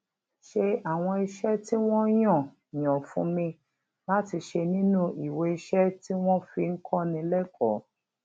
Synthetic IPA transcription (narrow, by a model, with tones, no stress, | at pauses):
ʃe˧a˨w̃ɔ̃˧i˧ʃɛ˦ti˦w̃ɔ̃˦j̃ɔ̃˦˨ | j̃ɔ̃˨fũ˦mĩ˧ | la˦ti˧ʃe˧nĩ˦nũ˦i˨we˧i˧ʃɛ˦ti˦w̃ɔ̃˦fi˧ŋ̩˦kʰɔ˦nĩ˧lɛ˦kʰɔ˨˦